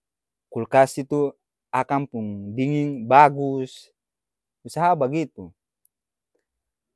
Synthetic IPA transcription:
kulkasit̪u | akampuŋdiŋiŋbaɡus | usaɦabaɡit̪u

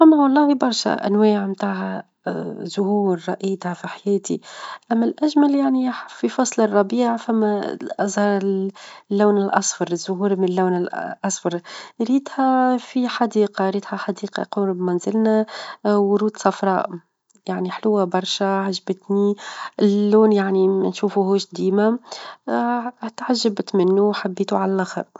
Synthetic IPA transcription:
ʔæmːawɑlˤːɑːhibɑɾˤʃæ̰ʔæ̰nwɛːʕmt̪aːhæ | zʊhuːɾɾˤɑʔiːt̪hæfiħajɛːt̪iʔæmːælʔæʒmæljaʕnififɑsˤlɨrˤːɑbiːʕfæmːæʔɑzhɑɾˤ | lːaːnɪlʔɑ̰sˤfɑɾˤzːʊɦuːɾmɪnɪlːaːnɪlʔɑsˤfɑɾˤɾiːt̪hæfiħad̪iːqɑɾiːt̪hæħad̪iːqɑ̰quːɾbmænzɪlnæwʊɾuːd̪sˤɑfɾˤɑ̰ːʔ | jaʕniħlʊwːæbɑɾˤʃaʕaʒbɪt̪niɪlːuːnjaʕnimɪnʃuːfuɦuːʃd̪iːmæ | t̪ʕaʒːɪbt̪mɪnːuwħabːiːt̪uʕalælʔaxɑ̰ɾˤ

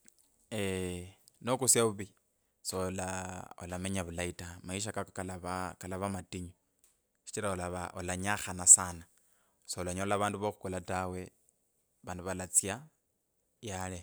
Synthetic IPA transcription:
e | nokusjauβi | solao̰lameɲaβulaitamaiʃ̬akakoalaβakalaβamatiɲu | ʃi̥t͡ʃiɾaolaβaolaɲaxanasana | soolaɲolaβaːnduβoxukolatawe̞ | βaːnduβalat͡sja | jale

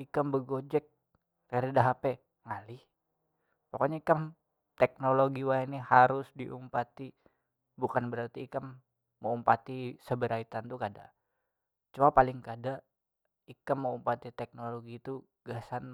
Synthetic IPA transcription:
ikambəɡod͡ʒɛk̚ | raɾidaɦapɛ | ŋalɪh | pokoɲaikam | t̪ɛk̚noloɡiwaɛnihaɾʊsdiʔṵmpat̪i | bukanbəɾart̪iːkamː | əumpat̪isəbəɾʔait̪ant̪ukada̰ʔ | t͡ʃuapalɪŋkadaʔ | ikamːəumpat̪it̪ɛk̚noloɡit̪u | ɡasan

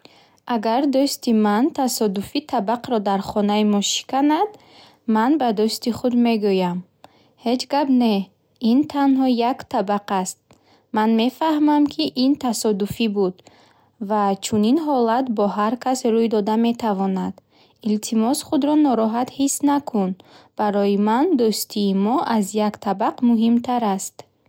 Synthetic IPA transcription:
ʔaɡaɾd̪ɔst̪imant̪ʰasɔd̪ufit̪ʰabaqɾɔd̪aɾχɔnaimɔʃi̥kanad̪ | manbad̪ɔst̪iχud̪me̞ɡujam | he̞d͡ʒɡabne̞ | int̪ʰanhɔjakt̪ʰabaqast̪̚ | manme̞fahmamkʰiʔint̪ʰasɔd̪ufibud̪ | vat͡ʃʰuninɦɔlat̪bɔɦaɾkʰasɾujd̪ɔd̪ame̞t̪ʰavɔnad̪ | ilt̪ʰimɔsχud̪ɾɔnɔɾɔɦat̪hisnakʰunb̥aɾɔjimand̪ust̪ʰiːmɔʔazjakt̪ʰabaqmuɦimt̪ʰaɾast̪

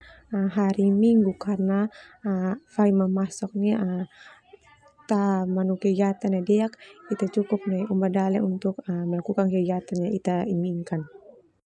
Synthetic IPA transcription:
əɦaɾimiŋɡukarna | faimamasɔk̚niʔə | t̪amanukɛɡat̪anadɛakit̪at͡ʃukʊp̚naumbadalɛunt̪ʊkəmɛlakukankɛɡat̪anɲait̪aimiŋkan

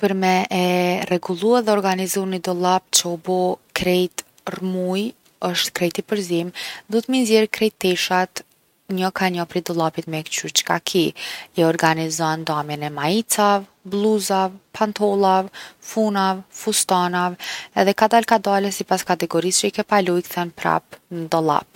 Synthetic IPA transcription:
pəɾmɛʔɛrɛɡulˠuaɾðɛɔɾɡanizunid̪ɔlˠapt͡ʃəɔbɔkɾɛjt̪ | rmuj | əʃt̪kɾɛjt̪ipəɾzimd̪ut̪minzjɛɾkɾɛjt̪ɛʃat̪ | ɲɔkaɲɔpɾid̪ɔlˠapit̪mɛkt͡ʃyɾt͡ʃkakʰijɛɔɾɡanizɔnd̪amjɛnɛmait͡savblˠuzavpʰant̪ʰɔlˠavfunavfust̪anavɛðɛkad̪alkad̪alɛsipaskat̪ɛɡɔɾist͡ʃəikɛpalujkθɛnpɾa̰pnəd̪ɔlˠa̰p̚

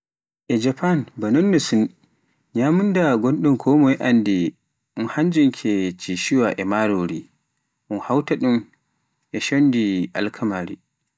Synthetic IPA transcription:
ʔɛd͡ʒapanbanɔnːɔsun | ɲamundaɡonɗumkʰɔmɔjɛʔandi | ʔunhaɲd͡ʒuŋkʰɛt͡ʃiʃiwaʔɛmaɾoɾi | ʔunhawtaɗum | ʔɛʃondiʔa̰lkʰamaɾḭ

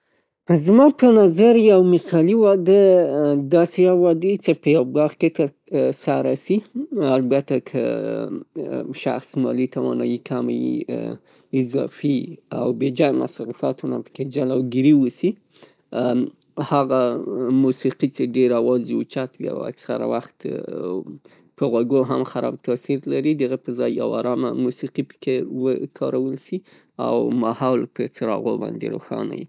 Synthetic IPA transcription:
zmɑpənazaɾjawmɪsɑliwɑd̪əd̪ɑseawɑd̪ət͡ʃepəjawbɑxket̪əɾ | sɑɾasialbat̪akʰə̰ | ʃa̰xsmɑlit̪awɑ̰nɑ̰jikʰama̰jḭ | ɪzɑ̰fia̰wbed͡ʒɑjma̰sɑɾifɑt̪ʰuna̰pə̥ked͡ʒalawɡiɾiwəsi | haɣamusiqit͡ʃeɖeɾawɑziwut͡ʃat̪wia̰wa̰ksa̰ɾa̰waxt̪ | pəɣwaɡoɦamxaɾɑ̰b̚t̪ɑsiɾlaɾid̪aɣepəzɑjːa̰wɑɾɑmamusiqipə̥kewəkʰɑɾawəlʃi | a̰wmahɑlpət͡səɾɑ̰ɣobɑ̰nd̪ḛɾo̰xɑ̰na̰jḭ

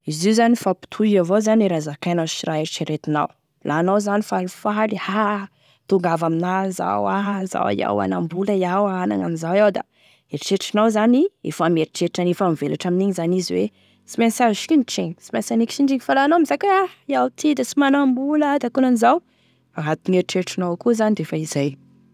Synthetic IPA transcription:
iziuzanifapi̥t̪ʰuavozaneɾazakajnaʃiɾaeɾiʈ͡ʂiɾet̪ina̰w | lʔanawzanifalifaliha | t̪uŋɡavaminaza̰waza̰wa̰ja̰wa̰nambuləjawaana̰ŋamizawawd̪a̰ | eɾiʈ͡ʂeʈ͡ʂinawzaniḛfameɾiʈ͡ʂeʈ͡ʂanefamivelaʈ͡ʂaminiɲzaniziwe | t͡simensaɾiʃkʲuniʈ͡ʂeɲi̥si̥mansaniki̥t͡ʃiɳɖ͡ʐiɲifalanaamizakeajawt̪ʰid̪asimanambuləd̪akunanizaw | faɦat̪uŋeɾiʈ͡ʂeʈ͡ʂinawkuzanid̪efaizaj

